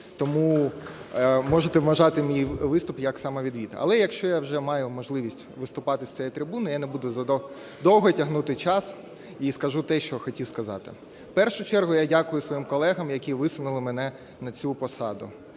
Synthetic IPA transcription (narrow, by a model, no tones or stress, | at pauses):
t̪ɔmu | mɔʒet̪ɛʋʋɐʒɑt̪ɪmʲijʋɪst̪ʊpjɐksɑmɐʋʲid̪ʋʲit̪ɐ̰lˠɛjɐkʃt͡ʃɔjawʒɛmɑjʊmɔʒlˠɪʋʲisʲtʲʋɪst̪ʊpɑt̪ɪsʲt̪ɛjit̪ɾɪbunɪjanebud̪ʊzɐ | d̪ɔwɦɔtʲɐɦnut̪ɪt͡ʃɑs | iskɐʒut̪ɛʃt͡ʃɔxɔtʲiwskɐzɑ̰t̪ɪ̰ | pɛrʃʊt͡ʃɛrɦʊjadʲakʊjʊsʋɔjimkɔlˠɛɦɐmjɐkʲiʋɪsʊnʊlˠɪmenɛ | nɐt͡sʲupɔsɑd̪ʊ